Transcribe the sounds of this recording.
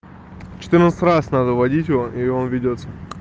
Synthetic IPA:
t͡ʃɪ̥t̪ɨrnət̪sə̥t̪ʲrasʲnad̪əvɐdʲitʲjɪvoʔionvʲɪdʲot̪sə

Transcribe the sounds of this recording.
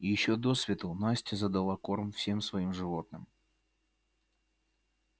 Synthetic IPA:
ijɪɕːod̪osvʲɪt̪əlˠnasʲtʲɪzɐd̪ɐlˠako̞rmfsʲe̞msvɐimʐɨvo̞t̪nɨm

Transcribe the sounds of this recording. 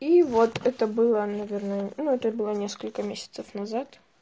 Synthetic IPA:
ivot̪ɛt̪əbɨlˠənɐvʲernənuɛt̪əbɨlˠənʲe̞skəlʲkəmʲesʲɪ̥t̪səfnɐzat̪

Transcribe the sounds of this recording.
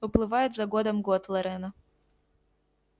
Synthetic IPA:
ʊplˠɨvajɪt̪zɐɡɔd̪ɐmɡɔt̪lˠɐɾɛnɐ

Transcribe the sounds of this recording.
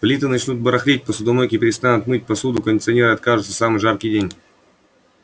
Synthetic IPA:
vlʲit̪ɨnɐt͡ɕnut̪̚bəɾɐxɾʲet̚ʲpəsʊd̪ɐmokʲɪpʲɪɾʲɪst̪anʊt̪mɨt̚ʲpɐsud̪ʊkənʲɪtsɨɐnʲeɾɨɐt̪̚kaʐɨt̪səsamɨjʐapkʲɪjdʲenʲ

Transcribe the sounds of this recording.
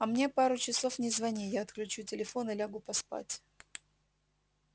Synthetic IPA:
ɐmnʲe̞paɾʊt͡ɕɪso̞fnʲɪzvɐnʲijaɐt̪klʲʉt͡ɕutʲɪlʲɪfo̞nɨlʲaɡʊpɐspa̰tʲ

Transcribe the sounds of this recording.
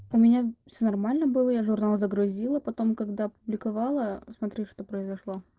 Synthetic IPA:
ʊmʲɪnʲafsʲonɐrmalʲnəbɨlˠəjaʐʊrnalˠzəɡɾʊzʲilˠəpɐt̪o̞mkɐɡd̪aɐpʊblʲɪkɐvalˠəsmɐt̪ɾʲeʂt̪o̞pɾəɪzɐʂlˠo̞

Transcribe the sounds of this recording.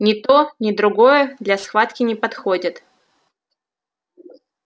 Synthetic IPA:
nʲɪt̪onʲɪd̪ɾʊɡo̞jəd̪lʲɐsxvat̪kʲɪnʲɪpɐt̪xodʲɪt̪

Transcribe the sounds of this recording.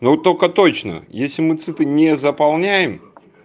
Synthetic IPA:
not̪ːolʲkət̪o̞t͡ɕnə̰jesʲlʲɪmɨt̪sɨt̪ɨnʲezəpalˠnʲæjɪm

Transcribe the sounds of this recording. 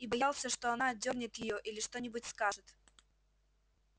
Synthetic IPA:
ibɐjalˠsʲəʂt̪oɐnaːd̪ʲornʲɪt̪jɪjoʔilʲɪʂt̪o̞nʲɪbʊtʲskaʐɨt̪

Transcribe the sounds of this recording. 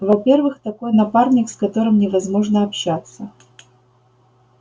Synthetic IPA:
vɐpʲervɨxt̪ɐko̞jnɐparnʲɪkskɐt̪o̞ɾɨmnʲɪvɐzmo̞ʐnəɐpɕːat̪sə

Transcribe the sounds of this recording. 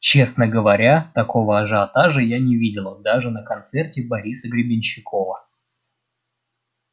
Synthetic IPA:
t͡ɕe̞snəɡəvɐɾʲat̪ɐko̞vəɐʐɨɐt̪aʐɨjanʲɪvʲidʲɪlˠəd̪aʐɨnəkɐnt̪sertʲɪbɐɾʲisəɡɾʲɪbʲɪnʲɕːɪko̞və

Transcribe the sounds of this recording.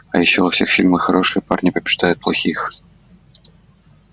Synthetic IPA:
ɐ̰jɪɕːovɐfsʲe̞xfʲilʲməxɐɾo̞ʂɨjpa̰rnʲɪpəbʲɪʐd̪ajʊt̪̚plˠɐxʲix

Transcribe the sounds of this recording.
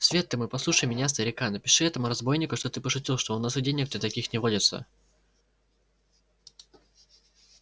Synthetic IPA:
svʲet̪ːɨmɨpɐslˠuʂəjmʲɪnʲas̬t̪əɾʲɪkanəpʲɪʂɨɛt̪əmʊɾɐzbo̞jnʲɪkʊʂt̪ot̪ɨpəʂʊtʲilˠʂt̪oonːasɨdʲenʲɪk̚t̪ɨt̪ɐkʲixnʲɪvodʲɪt̪sə̰

